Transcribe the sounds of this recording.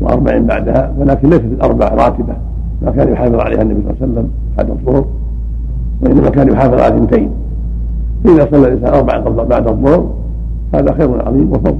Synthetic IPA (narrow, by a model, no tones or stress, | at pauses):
wɪ̰ʔɑ̰ɾˤbaʕḭːmba̰ʕd̪hawɪlaːkɪnlejsat̪ɪlʔɑ̰ɾˤbaʕɾˤɑ̰ːt̪ɪba | mʔakaːnjʊħaːfɨðˤʕalḛjhanːabisˤɑ̰lːsalːam | ħa̰d̪ɑðˤːʊhʊɾ | wɪʔɪnːamakaːnjʊħaːfɨðˤʔʕa̰lɪnt̪ajn | faʔɪðasˤɑlːalʔɪnsa̰ːnʔɑɾˤbaʕaːnqɑblbaʕd̪hɑðˤːʊhʊɾ | faha̰ːðaxeːɾʊnʕɑ̰ðˤiːmwɑfɑˤːl